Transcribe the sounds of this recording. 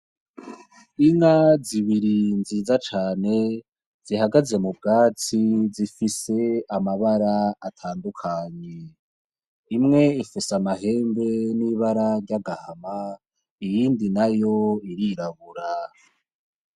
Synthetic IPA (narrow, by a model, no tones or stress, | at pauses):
iŋaziβiɾinziːzat͡ʃaːne̞ | z̥ihaɡaze̞mubɡaːt͡sizifise̞amaβaɾaːtʰaːndukʰaɲe | imŋe̞ifisamaɦe̞ːmbe̞niβaɾaɾɟaɡahama | ijiːndinajo̞iɾiɾaβuɾa